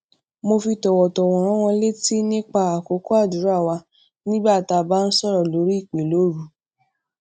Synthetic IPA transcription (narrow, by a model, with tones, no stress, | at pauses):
mo˧fi˧tɔ˨wɔ˨tɔ˨w̃ɔ̃˨ɾ̃ɔ̃˦w̃ɔ̃˧le˦ti˦nĩ˦k͡pa˧a˨ko˨˦ko˦a˦˨du˨˦ɾa˦˨wa˧ | nĩ˦ɡ͡ba˦˨ta˧ba˦n̩˦sɔ˦ɾɔ˨lo˨˦ɾi˦i˦˨k͡pẽ˨lo˨˦ɾu˨˧